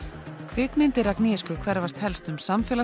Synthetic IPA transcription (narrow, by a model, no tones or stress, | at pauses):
kʰvɪːkmɪnt̪ɪɾakniːskʏkʰvɛɾvast̪hɛlst̪ʏmsamfjɛla